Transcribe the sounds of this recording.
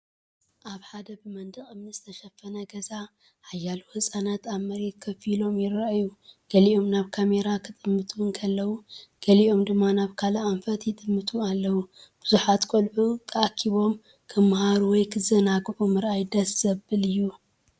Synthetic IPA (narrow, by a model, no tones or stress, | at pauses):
ʔaβħad̪ɐbɨmɐnd̪ɨχʼɨmnɨsʼɨt̪ʰɐʃɐfːɐnɐɡɐza | hajːaluhɨsʼanat̪ʰaβmɐɾet̪̚kʰɐfilo̞mjɪraʔjuɡ̥ɐliʔo̞mnaβkʰame̞ɾakʰɨt̪ʼɨmːɨt̪ʰuŋkʰɐlːɐwuɡ̥ɐliʔo̞md̪ɨmːanaβkʰalaʔaɱfɐt̪jɪt̪ʼɨmːɨt̪ʰualːɐwub̥ɨzuħat̪kʰʼolʕut̪ʰʼɐakʰːiβo̞m | kʰɨmhaɾuwɔjkʰɨzɐnaɡʕumɨɾʔajd̪ɐsz̥ɐbɨlɨjːu